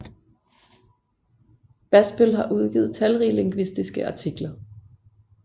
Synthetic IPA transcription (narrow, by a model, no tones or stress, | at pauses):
b̥æsb̥ølɦɑ̈ʔuð̞ˠɡ̥ḭːð̩ˠt͡sʰælʁile̝ŋɡ̥ʋisd̥isɡ̥əʔɑ̈t͡sʰiɡ̥lɐ